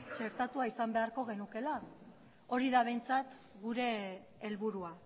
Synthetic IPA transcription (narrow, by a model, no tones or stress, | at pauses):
t͡ʃe̞ɾt̪at̪uaisambe̞aɾko̞ɣ̞e̞nuke̞la | o̞ɾiðaβ̞e̞jnt͡sat̪ | ɣuɾe̞ː | lβuɾua